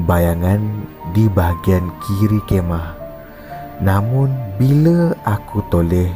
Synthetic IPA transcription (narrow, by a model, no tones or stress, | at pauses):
bajaŋandibaɦaɡiankʰiɾikemah | namʊnbiləʔakut̪olɛh